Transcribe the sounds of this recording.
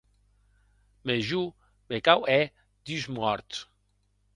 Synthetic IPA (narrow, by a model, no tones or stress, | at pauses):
meʒu | mekawɛ | d̪̥yzmɔɾt̪